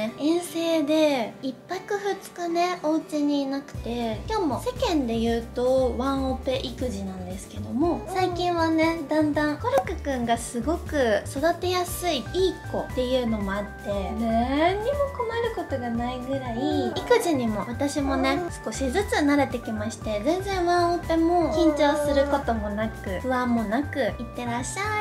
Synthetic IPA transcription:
ẽ̞ɰ̃se̞ːd̪e̞ipːakɯ̟ɸɯ̟t͡sɨ̥kane̞oːt͡ɕiɲ̟inakɯ̟̥t̪e̞kʲo̞ːmo̞se̞kẽ̞nd̪e̞jɯ̟ːt̪o̞βãɰ̃ope̞ʔikɯ̟ʑinãnd̪e̞sɨ̥ke̞d̪o̞mo̞saikʲĩɰ̃βane̞d̪ãnd̪ãŋkoɾokɯ̟kɯ̟̃ŋɡasɨɡo̞kɯ̟so̞d̪at̪e̞jasɨiiːkko̞t̪e̞jɯ̟ːno̞mo̞at̪ːe̞naɲːimo̞ko̞maɾɯ̟ko̞t̪o̞ɡanaiɡɯ̟ɾaiikɯ̟ʑiɲ̟imo̞βat̪aɕimo̞nesɨ̥ko̞ɕizɨt͡sɨnaɾe̞t̪e̞kʲimaɕi̥t̪e̞zẽ̞nd͡zẽ̞ɰ̃βãɰ̃ope̞mo̞kʲĩɲ̟t͡ɕo̞ːsɨɾɯ̟ko̞t̪o̞mo̞nakɯ̟ɸɯ̟ãmːo̞nakɯ̟it̪ːe̞ɾaɕːa

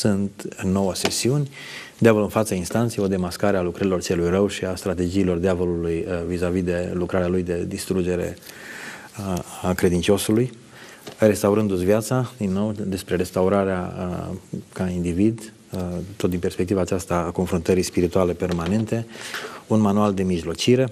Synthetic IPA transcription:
sunt̪ɨnːo̞wəse̞siunʲ | d̪eavoluɨnfat̪səinst̪ant̪sejo̞d̪e̞maskaɾealukɾəɾilo̞rt͡ʃelujrəwʃiast̪ɾat̪e̞d͡ʒiːlo̞rd̪eavo̞lulujvizavid̪e̞lukɾaɾealujd̪e̞d̪ist̪ɾud͡ʒe̞ɾe̞̰ | akɾe̞d̪int͡ʃo̞suluj | re̞st̪awɾɨnd̪usviat̪sad̪inːo̞wd̪e̞spɾe̞ɾe̞st̪awɾaɾea̰ | kaind̪ivid̪ | t̪ot̪d̪inpe̞rspek̚t̪ivaːt͡ʃast̪aːko̞nfɾunt̪əɾispiɾit̪uale̞pe̞rmane̞nt̪e̞unmanuald̪e̞miʒlo̞t͡ʃiɾe̞

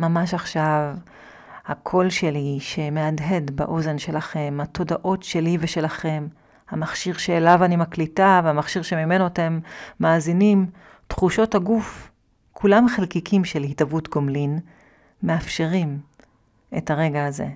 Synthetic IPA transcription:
mamaʃaχʃav | hakʰo̞lʃe̞liʃe̞me̞adɦe̞dba̰ʔo̞ze̞nʃe̞laχe̞matʰo̞daʔo̞tʃe̞liveʃe̞laχe̞m | hamaχʃiʁʃeːlavanimaklitaveamaχʃiʁʃe̞mime̞notemːaːzinim | tχuʃo̞thaɡuf | kʰulamχelkikimʃelhitavutɡomlin | meafʃe̞ʁim | ethaʁe̞ɡaaze̞̰

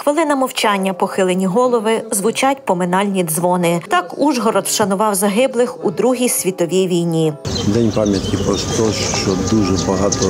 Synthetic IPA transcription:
xʋɪlˠɪnɐmɔwt͡ʃɑnʲːɐpɔxɪlˠenʲiɦɔlˠɔʋɪzʋʊt͡ʃɑtʲpɔmɪnɑlʲnʲizʋɔnɪt̪ɑkuʒɦɔɾɔt̪ʃɐnʊʋɑwzɐɦɪblˠɪxud̪ɾuɦʲijsʲʋʲit̪ɔʋʲiʋʲijnʲid̪ɛnʲpɑmʲjɐt̪kʲipɾɔst̪ɔʃt͡ʃɔd̪uʒɛbɐɦɑt̪ɔ

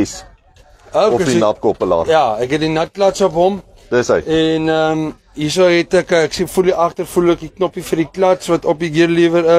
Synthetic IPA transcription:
s | oɔkdinɐp̚kopəlɑ̰ːrjɑːɛkɦɛt̚dinɐt̚plɐtsɔpɦɔm | təsə̰jɛnəm | is̬owɦɛtɛkːksefuliʔɐχtərfulɛkiknɔpifəriklɐtsvɐtɔp̬iɡiərliəvəɾə

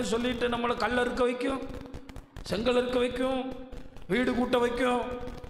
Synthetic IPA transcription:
ɯsɔlːɪʈːɯnɐmːɐlɐkɐlːɐɪɾɯk̬ːɐʋɐɪkʲːʊ̃ | sɛŋɡɐɭɪɾɯkːɐʋɐɪkːʊ̃ | ʋiːɽɯkuːʈːɐʋɐɪkːʊ̃

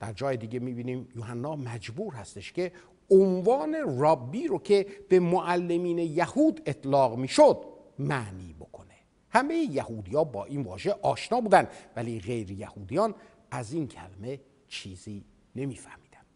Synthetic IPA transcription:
d̪̥æɾd͡ʒɒːjed̪iɟe̞miːbiːniːmjohænːɒːmæd͡ʒbuːɾɦæst̪eʃcʰe | onvɒːne̞rɒːbːiːɾocʰe̞b̥emoʔælːe̞miːnejæhuːd̪et̪ʰlɒːɣmiːʃod̪̚ | mæniːbo̞kʰo̞ne | hæmejejæhuːd̪iːjɒːbɒːʔiːnvɒ̰ːʒeʔɒːʃnɒːbuːd̪ænd̪væliːɣejɾejæhuːd̪ijɒːn | æziːncʰæ̰leme̞ | t͡ʃʰiːziː | ne̞miːfæhmiːd̪ænd̪̥

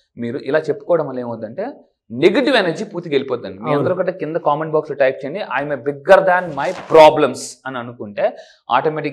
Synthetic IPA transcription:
miːɾuʔilaːt͡ʃe̞pːu̥kɔːʋɐɽɐmɐleːmʋɐd̪ːɐɳʈe̞ː | neɡeʈiʋenɐɾd͡ʒiːpuːɾt̪iɡelipɔːd̪ːɐɳɖimiːɾɐnnd̪ɐɾoːkɐɳʈeːkind̪ɐkaːmɐnbaːkslɐʈɐjp̚t͡ʃeːɳɖiʔaːjmebiɡɐɾd̪aːnmɐjpɾaːblɐmsɐniɐnukuɳʈe̞ː | a̰ːʈomeʈi

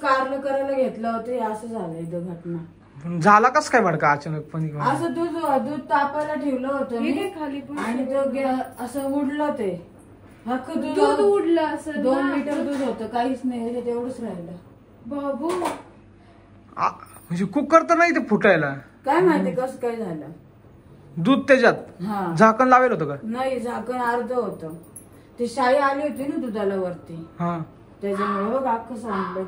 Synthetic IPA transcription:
kaɾləkəɾajləɡʱet̪ləɦot̪əɦeəsəd͡zʱaləid̪əɡʱəʈna | pəɳd͡zʱalakəskajbʱaɽkaːt͡ɕənək̚pəɳikəsəd̪ud͡zoad̪ud̪̚t̪apajlaʈʰewləɦot̪əiekʰaliaɽ̃id̪əɡʱeəəsəuɽlət̪e | ɦakəd̪ud͡zuuɽləəsəd̪onmit̪əɾd̪uːd̪ɦot̪əkaɦiːt͡snajəd͡ʑet̪eʋɽəsɾajlə | babu | a̰m̤əd͡ʑekuːb̚kəɾt̪ənaɦit̪epuʈajla | kajm̤at̪ekəskajd͡zʱajlə | d̪uːd̪̚t̪ad͡ʑat̪̚ɦãd͡zʱakənlaʋelɦot̪əkajnajid͡zʱakənəɾd̪ʱəɦot̪ə | t̪eɕajealeɦot̪inud̪ud̪alaʋəɾt̪iɦã | t̪ad͡zameɽəɡakəsãŋɡlə

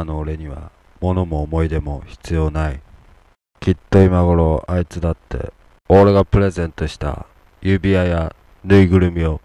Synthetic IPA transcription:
noːɾe̞ɲ̟iβ̞a̰ | mo̞no̞moːmo̞id̪e̞mo̞çi̥t͡sɨjo̞ːnai | kʲit̪ːo̞imaɡo̞ɾo̞ʔait͡sɨd̪at̪ːe̞̰ | oːɾeɡapɯ̟ɾe̞zẽ̞nt̪o̞ɕi̥t̪a̰ | jɯ̟bʲiaja | nɯ̟iɡɯ̟ɾɯ̟mʲio̞

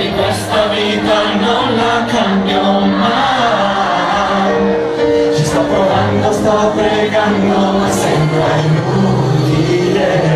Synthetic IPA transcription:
ikwest̪aviːt̪a | nonlakambjoma | j | t͡ʃist̪apɾoɡand̪ost̪apɾeɡand̪oo | sɛmpɾa | nu | t̪i | le

